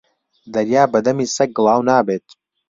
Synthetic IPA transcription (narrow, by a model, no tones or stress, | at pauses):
d̪ɐɾjaːbɐd̪ɐmiːsɐk̚ɡɨlˠɑːwnaːbeːt̪